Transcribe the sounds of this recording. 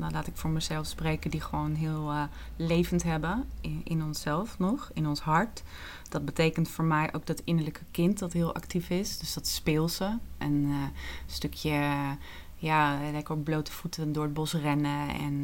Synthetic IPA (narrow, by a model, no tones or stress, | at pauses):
nalaːtɪkfʊːɹməzɛlˠfsprejkədiχəʋownɦɪːlˠ | lejvəntɦɛbəɪnɔnsɛlˠfnɔχɪnɔnsɦɑɹt | d̥ɑd̚bətejkəntfʊːɹmɛjʔo̰wk̚dɑtɪnəɹləkʰəkɪntdɑtɦɪːlˠʔɑ̰ktifɪsd̥øsdɑtspɪːlˠsəʔən | støkʰjə | jaːlɛkəɔblowtə̥v̥utədʊːɹəd̚bɔsrɛnəɛ̰n